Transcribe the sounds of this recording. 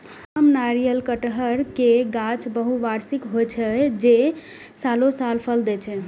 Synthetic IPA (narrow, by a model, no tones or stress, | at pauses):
amnaɾijəlkəʈɦəɾkeɡãt͡ʃbəɦuʋaɾsikɦojt͡ʃʰɛd͡ʒe | salosalpʰəld̪ɛt͡ʃʰɛ